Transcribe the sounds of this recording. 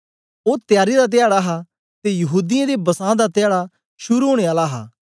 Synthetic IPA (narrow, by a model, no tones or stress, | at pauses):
oːt̪jaːɾid̪at̪̬ɪjaːɽaɦa | t̪ejɐɦuːd̪ɪjãd̪ebɐsãːd̪at̪ɪjaːɽa | ʃʊɾuɦõːɽ̃eaːlaɦa̰ː